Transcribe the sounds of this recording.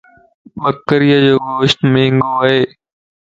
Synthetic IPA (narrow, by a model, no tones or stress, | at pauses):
ɓəkːəɾijad͡ʑoːɡoːʃnmẽːŋɡoːaɦeː